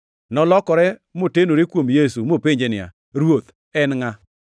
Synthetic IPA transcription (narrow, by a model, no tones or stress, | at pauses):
nɔlɔkɔɾɛmotenoɾekwomjesumopeɲd͡ʒenɪa̰ | ɾwot̪ | ɛnŋa